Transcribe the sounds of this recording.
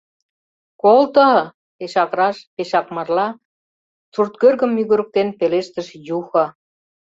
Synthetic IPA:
kolt̪ə̆ɦɤ̆ | peʃɑkɾɑʃpeʃɑkmɑrlɑ | t͡surt̪kørɣə̆mːyɣyɾə̆k̚t̪enpeleʃt̪ə̆ʃjuxɑ

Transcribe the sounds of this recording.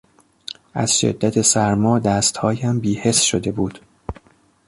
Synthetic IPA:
ʔæ̰z̥ʃe̞̰d̪ːæt̪ʰe̞sæɾmɒːd̪æːst̪hɒːjæmbiːhe̞sʃod̪e̞buːd̪̥

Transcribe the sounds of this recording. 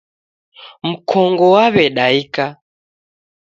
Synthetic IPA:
m̩kʰɔŋɡɔwaβɛɗaika

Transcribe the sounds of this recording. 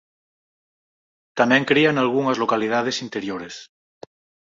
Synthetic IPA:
t̪amẽŋkɾianalɣ̞uŋazlokalið̞að̞esint̪eɾjoɾes

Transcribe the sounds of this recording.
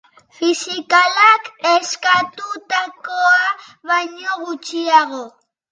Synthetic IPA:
fɪsɪkalakeskat̪ʊt̪akoaβaɲoɢʊt͡ʃɪjɑɢo

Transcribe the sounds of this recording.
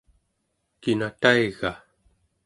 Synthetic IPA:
kinat̪aiɣa

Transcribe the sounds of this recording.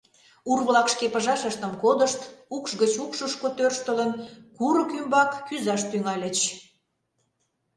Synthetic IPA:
urβlɑkʃkepəʒɑʃəʃt̪əmkod̪əʃt̪ukʃɣət͡ɕukʃəʃkot̪ørʃt̪ələnkuɾəkymbɑkːyzɑʃt̪yŋɑlʲə̆t͡ɕ

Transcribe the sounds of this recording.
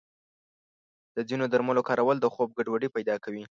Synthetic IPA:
d̪̥əd͡zinod̪əɾmalokɑɾawəld̪əxob̚ɡaɖwaɖipajd̪ɑkawi

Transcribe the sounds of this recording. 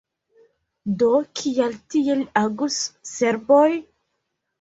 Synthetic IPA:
dokʰialtielaɡusːeɾboj

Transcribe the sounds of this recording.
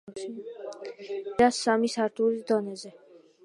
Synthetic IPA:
ɾasːamisaɾt̪ʰʼuɾisd̪ɔnɛzɛ

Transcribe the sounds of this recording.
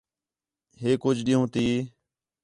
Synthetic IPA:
ɦeːkʊd͡ʒʱɗiɦõːt̪iː

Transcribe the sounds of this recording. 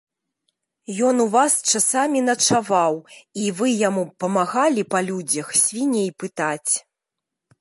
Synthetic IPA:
jɔnuvast͡ʂasamʲinɐt͡ʂavawivɨjamupɐmaɣalʲipɐlʲud͡zʲɐxsʲvʲinʲejpɨt̪at͡sʲ

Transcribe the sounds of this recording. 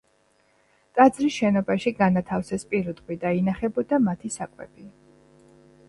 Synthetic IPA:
t̪ʼad̪zɾisʃɛnɔbaʃiɡanat̪ʰafsɛspʼiɾut̪ʼqʼwid̪ainaχɛbɔd̪amat̪ʰisakʼwɛ̰bi

